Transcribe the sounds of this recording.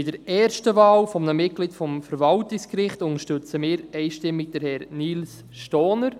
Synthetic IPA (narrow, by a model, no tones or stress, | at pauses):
ɪd̥əɾɛːɾʃtəvaːlfɔmnəmɪt̚ɡ̥lɪdfɔmfəɾvɑltɪkskɾɪχtʊŋəɾʃtøt͡səmɪːɾɛɪʃtɪmːɪɡ̚d̥̪əɾhɛɾniːls | ʃtɔːnəɾ